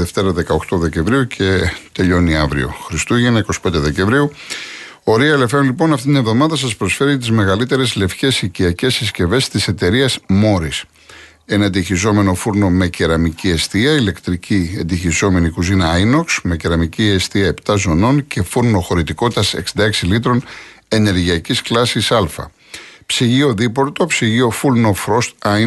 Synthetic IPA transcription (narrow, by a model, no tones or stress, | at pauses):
ðeft̪e̞ɾɐðe̞kɐo̞kt̪o̞ðe̞ce̞mvɾiucʰe̞t̪e̞ʎo̞niɐvɾḭo̞̰xɾist̪uʝinɐiko̞si̥pe̞nd̪eðe̞ce̞ɱvɾiu | o̞ɾiɐele̞feonlipo̞nɐft̪it̪ine̞vðo̞mɐðɐs̬ɐspɾo̞sfe̞ɾiɐt̪̬izme̞ɣɐlit̪e̞ɾe̞zle̞fce̞siciɐce̞sisce̞ve̞st̪ise̞t̪e̞ɾiɐsmo̞ɾis | e̞nɐnd̪içizo̞me̞no̞fuɾno̞me̞ceɾɐmicie̞st̪iɐile̞kt̪ɾiciend̪içizo̞me̞nikuzinɐjno̞ksme̞ceɾɐmiciest̪iɐe̞pt̪ɐzo̞no̞nce̞fuɾno̞xo̞ɾit̪iko̞t̪it̪ɐse̞̰ksind̪ɐeksilit̪ɾo̞ne̞ne̞ɾʝiɐcisklɐsisɐlfɐ̰ | psiʝio̞ðipo̞ɾt̪o̞psiʝio̞fulnofɾo̞st̪ɐ